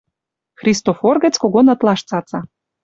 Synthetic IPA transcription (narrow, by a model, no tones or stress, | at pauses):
xrʲist̪oforɡə̆t͡skoɣonɤ̆t̪lˠɑʃt͡sɑt͡sɑ